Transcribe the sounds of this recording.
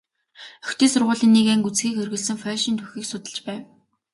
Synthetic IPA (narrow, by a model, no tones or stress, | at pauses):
œxt̪iːsʊrʁʊːɮĭːnːiːkæŋkut͡sɡiːkxerɣɘ̆ɮsɘ̆ŋfœːʃint̪ʰuxʲiːksʊt̪ə̆ɮt͡ɕpæːw